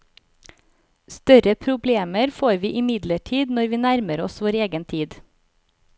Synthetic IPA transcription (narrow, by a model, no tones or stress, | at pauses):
st̪œɾəpʰɾʊbleːməɾfoːɾʋiːʔɪmɪd̪ləʈʰiːd̪nɔɾʋiːnæɾməɾɔsʋoːɾeːɡənt̪ʰiːd̪